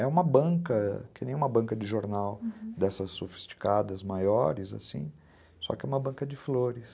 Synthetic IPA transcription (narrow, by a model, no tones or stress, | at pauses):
ɛũmɐbɐ̃kɐkɪnẽj̃ũmɐbɐ̃ŋkɐd͡ʒɪʒoɾnawd̪ɛsɐsːofi̥st͡ʃi̥kad̪ɐzmajɔɾɪza̰sḭ̃ | sɔ̰kɪɛũmɐbɐ̃kɐd͡ʒɪfloɾɪs